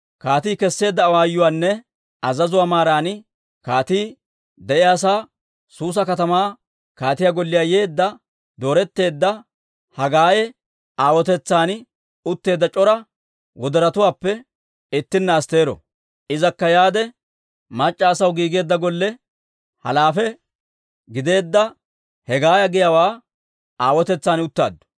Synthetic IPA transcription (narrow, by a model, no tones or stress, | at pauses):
kaːt̪iːkɛsːe̞ːd̪ːɐːwaːjːʊwaːnːɛ | ɐzɐzʊwaːmaːɾaːnɪ | kaːt̪iː | d̪ɛʔɪjaːs̬aː | suːs̬ɐkɐt̪ɐmaː | kaːt̪ɪjaːɡɔlːɪjaːje̞ːd̪ːɐ | d̪o̞ːɾɛt̪ːe̞ːd̪ːɐ | hɐɡaːjɛ | aːwɔt̪ɛt͡sːaːn | ʊt̪ːe̞ːd̪ːɐt͡ʃʼɔɾɐ | wɔd̪ɛɾɐt̪ʊwaːpːɛ | ɪt̪ːɪnːaːst̪e̞ːɾɔ̰ | ʔɪzɐkːɐjaːd̪ɛ | mɐt͡ʃʼːaːsɐwɡiːɡe̞ːd̪ːɐɡɔlːɛ | hɐ̰laːfɛ | ɡɪd̪e̞ːd̪ːɐ | hɛɡaːjɐɡɪjɐwaː | aːwɔt̪ɛt͡sːaːnʊt̪ːa̰ːd̪ːʊ̥